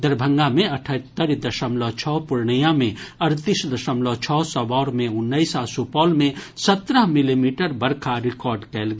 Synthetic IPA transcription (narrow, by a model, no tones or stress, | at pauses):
d̪əɾbʱə̃ŋɡamẽəʈʰət̪ːəɾid̪əʃəmlɔt͡ʃʰɔːpʊɾɳijãmẽəɾt̪isd̪əʃəmlɔt͡ʃʰɔːsɔbɔːɾmẽʊnːəɪsasupɔːlmẽsət̪ɾəɦmilimiːʈəɾbəɾkʰaɾɪkɔːɾɖkɛlɡ